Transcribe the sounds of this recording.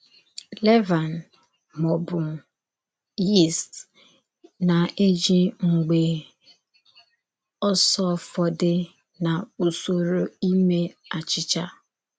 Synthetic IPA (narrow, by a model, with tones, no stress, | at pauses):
lɛ˦va˨n | mɔ˨bʊ˨ | i˦˨st | na˨e˦d͡ʒi˦ŋ͡m̩˨ɡ͡be˨ | ɔ˦sɔ˦fɔ˨dɪ˦ | na˨o˨so˨ɾo˨i˦me˦a˨t͡ʃɪ˦t͡ʃa˦